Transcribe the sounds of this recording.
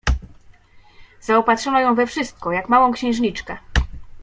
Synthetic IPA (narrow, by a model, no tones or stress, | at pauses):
zaɔpat̪ʂɔnɔjɔ̃w̃vɛfʂɘst̪̚kɔjakmawɔ̃w̃kɕɛ̃w̃ʐɲit͡ʂkɛ